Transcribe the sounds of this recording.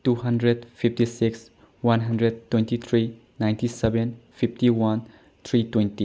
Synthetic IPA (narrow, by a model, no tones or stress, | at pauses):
tuɦandɾed̚pʰip̚ʰtisiks | wanɦɐndɾed̚tːwẽntit̪ʰɾi | najntisebenpʰip̚ʰtiwan | t̪ʰɾitwenti